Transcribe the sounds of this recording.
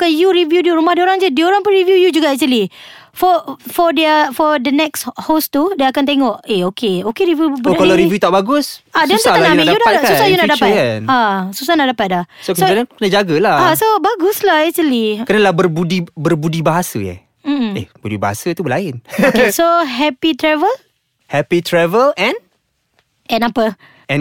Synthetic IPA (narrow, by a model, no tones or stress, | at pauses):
kajuɾivjudiuɾumahdioɾaŋd͡ʒədioɾaŋpʊnɾivjujud͡ʒuɡaʔɛk̚t͡ʃəli | fɔfɔdɛəfɔdənɛkshost̪udakant̪eŋɔʔeokeokeɾivjubokalaɾivjut̪aʔbaɡʊsasdɛntsaalanamijudaaʔsusahjunaʔdaatanasusahnaʔdapat̪̚dahsoksoənakənad͡ʒaɡəlaasobaɡuslaɛsəlikənəlahbərbudibərbudibaɦasə̰jɛ̰ | m̩ḛbudibaɦa̰sət̪ubəlaɪnoksoɦɛpit̪ɾɛvəl | hɛpit̪ɾɛvəlɛ̃n | ʔɛ̃napə | ɛ̃n